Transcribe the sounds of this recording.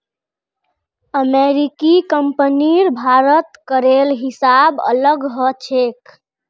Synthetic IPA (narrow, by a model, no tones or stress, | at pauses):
əmeɾikikəmpəniɾbʱaɾət̪kəɾelɦisabə̰ləɡɦət͡ʃʰek